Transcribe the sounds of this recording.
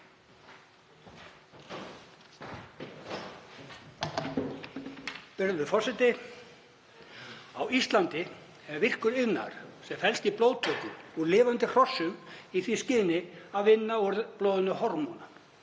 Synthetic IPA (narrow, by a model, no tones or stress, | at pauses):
pɪɾðvʏfɔr̥sɛt̪ɪ | awist̪lant̪ɪ | ɛvɪr̥kʏɾɪɣna̰ɾ̥sɛmfɛlst̪iploːwðt̪ʰœːkʏɔɣlɪːvant̪ɪr̥ɔsːʏmiθviscɪːðnɪaðvɪnːaɔɾðplɔːwðʏnʏhɔɾmɔna